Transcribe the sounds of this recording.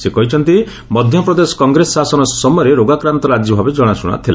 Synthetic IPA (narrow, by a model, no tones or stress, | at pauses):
sekɔɦit͡ʃʰɔnt̪i | mɔd̪ʱjɔpɾɔd̪esɔ̥kɔŋɡɾesɔsasɔnɔsɔmɔjɔɾeɾoɡakɾant̪ɔɾad͡ʒjɔbʱabed͡ʒɔɽ̃asuɽ̃a̰t̪ʰila